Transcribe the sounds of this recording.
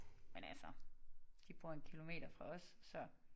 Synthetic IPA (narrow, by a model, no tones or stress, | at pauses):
menælsɒ | d̥ib̥ʁuːɐe̝nkʰilo̝me̝̰ːɾ̥ɐfʁɑ̈ɒ̽sːɒ̽